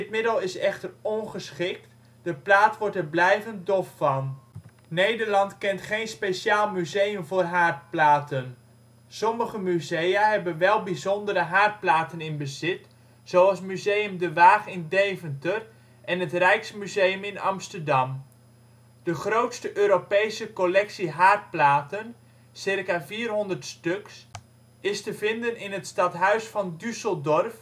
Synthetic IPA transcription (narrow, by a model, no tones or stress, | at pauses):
dɪtmɪdəlˠɪsɛχtərɔnχəsχɪk̚t | d̥əplaːtʋɔɹtərblɛjvənt̚dɔfːɑn | nejdərlɑntkɛntχejnspesaːlˠmyzejəmvoːrɦaːrt̚plaːtən | sɔməχəmyzejaɦɛbənʋɛlˠbizɔndəɾəɦaːrt̚plaːtənɪnbəzɪt | sowɑlˠsmyzejəmdəʋaːχɪndejvəntər | ʔɛnətrɛjksmyzejəmɪnɑ̰mstərdɑm | d̥əχrowtstəʔøːɾopejsəkolɛksiɦaːrt̚plaːtən | sɪrkaviːrɦɔndərtstøks | ɪstəvɪndənɪnətstɑtɦœɥsfɑndysəlˠdɔrf